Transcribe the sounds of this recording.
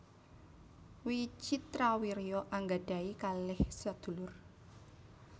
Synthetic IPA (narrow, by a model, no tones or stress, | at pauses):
wit͡ʃit̪ɾawiɾiɔʔaŋɡaɖ̥a̤ikalɪhsad̪̥ṳlʊr